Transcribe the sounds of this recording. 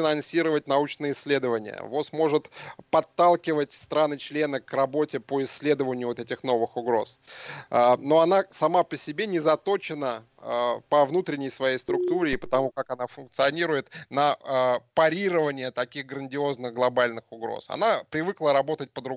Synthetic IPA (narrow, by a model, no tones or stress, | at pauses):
ɪnɐnsʲiɾəvət̚ʲnɐut͡ɕnɨjəɪsʲːlʲe̞d̪əvənʲɪ̰jə̰vosmo̞ʐɨt̪pɐt̪ːalˠkʲɪvətʲst̪ɾanɨt͡ɕlʲe̞nəkrɐbo̞tʲɪpo̞ɪsʲːlʲe̞d̪əvənʲɪjʊvt̪ɛtʲɪxno̞vɨxʊɡɾo̞̰səno̞ɐnasɐmapəsʲɪbʲenʲɪzɐt̪o̞t͡ɕɪnə | əpəvnut̪ɾʲɪnʲɪjsvɐjejst̪ɾʊk̚t̪uɾʲɪːpə̥t̪ɐmukakɐnafʊnk̚t̪sɨɐnʲiɾʊjɪt̪nəəpɐɾʲiɾəvənʲɪjət̪ɐkʲiɣɡɾənʲdʲɪo̞znɨɣɡlˠɐbalʲnɨxʊɡɾo̰sɐ̰napɾʲɪvɨklˠəɾɐbo̞t̪ət̚ʲpəd̪ɾʊ